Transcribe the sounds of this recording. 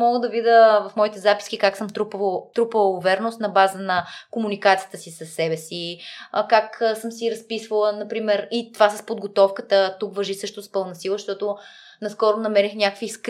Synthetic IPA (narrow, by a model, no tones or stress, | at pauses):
mɔɡəd̪ɐvid̪əvɐfmɔit̪ɛzapi̥skʲikaksəmt̪ɾupt̪ɾupəvɛɾnost̪nɐbazənɐkomunikat̪ijə̥t̪əsisɐsːɛbɛsikaksɤmsiɾɐspisvəlˠənɐpɾimɛɾit̪ovasəspod̪ɡot̪ɔfkət̪ət̪ukvɐʒisɤʃt̪ʊspɤlˠnɐsilˠəʃt̪ɔt̪ʊ | nɐskɔɾʊnɐmɛɾixnʲakəkvisk